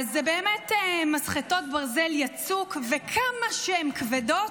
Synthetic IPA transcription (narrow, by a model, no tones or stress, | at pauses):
zebeːmetemasχeto̞t̚baʁzeljat͡sukvekʰamaʃehemkvedo̞